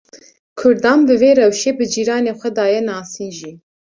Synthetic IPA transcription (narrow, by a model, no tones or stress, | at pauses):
kʰʊɾd̪ɑːnbɨveːɾɛwʃeːbɨd͡ʒiːɾɑːneːxʷɛd̪ɑːjɛnɑːsiːnʒiː